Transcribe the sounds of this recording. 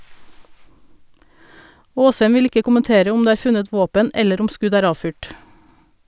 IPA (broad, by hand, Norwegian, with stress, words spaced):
ˈoːshɛm ˈʋɪl ˈɪkə kʊmənˈteːɾə ˈʊm ˈdeː ˈæːɾ ˈfʉnət ˈʋoːpən ˈɛləɾ ˈʊm ˈskʉɟ ˈæːɾ ˈɑːfyːʈ